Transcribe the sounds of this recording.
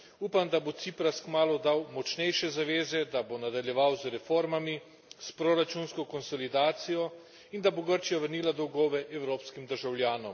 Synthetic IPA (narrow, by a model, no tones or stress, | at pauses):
uːpamd̪abot̪sipɾaskmaːlɔd̪awmɔt͡ʃnɛjʃɛzaʋeːzɛd̪abonad̪aljɛʋawzɾɛfoːɾmami | spɾoɾat͡ʃunskɔkɔnsɔlid̪aːt̪sijɔ | ind̪aboɡəɾt͡ʃijaʋəɾniːlad̪ɔwɡɔːʋɛʔɛwɾoːpskimd̪əɾʒawljaːnɔm